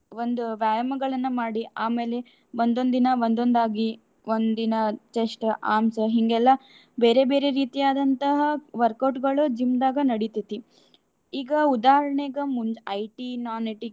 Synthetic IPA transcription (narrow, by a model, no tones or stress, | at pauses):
ond̪uʋjaːjɐmɐɡɐɭɐnːɐmaːɽiʔaːme̞ːle̞ | ʋond̪o̞nd̪inɐʋond̪o̞nd̪aːɡi | ʋond̪inɐt͡ʃeʂʈʔaːmsɐɦiŋɡɛlːɐ | be̞ːɾebeːɾe̞ɾiːt̪ijaːd̪ɐnt̪ɐɦɐʋɐɾkɐwʈɡɐɭud͡ʒimd̪aːɡɐnɐɽit̪it̪i | iːɡɐud̪aːɦɐɾɐɳeɡɐmund͡ʒɐjʈinaːniʈi